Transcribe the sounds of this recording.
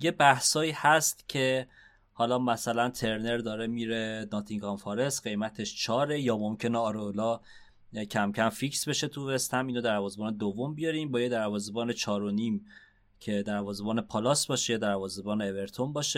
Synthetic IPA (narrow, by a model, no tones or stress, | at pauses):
je̞bæhsɒːiːhæst̪cʰe̞ | hɒːlɒːmæsælænt̪ʰe̞ɾne̞ɾd̪ɒːɾemiːɾe̞nɒːt̪ʰiŋkʰɒnfɒɾe̞sɢe̞jmæt̪ʰe̞ʃt͡ʃʰɒːɾe̞jɒːmo̞mcʰe̞neɒːɾolɒː | cʰæmcʰæmficsbe̞ʃe̞t̪ʰuvest̪hæmiːnod̪æɾvɒːzebɒːned̪ovːo̞mbijɒɾiːmbɒːjed̪æɾvɒːzebɒːne̞t͡ʃʰɒːɾo̞niːm | cʰe̞d̪æɾvɒːzebɒːne̞pʰɒlɒːsb̥ɒːʃejɒd̪æɾvɒːzebɒːneːve̞ɾt̪ʰombɒːʃe